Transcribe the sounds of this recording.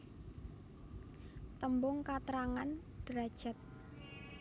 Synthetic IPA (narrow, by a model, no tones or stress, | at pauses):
t̪əmbʊŋkat̪ɾaŋan | d̥ɾḁʒ̥ə̤t̪̚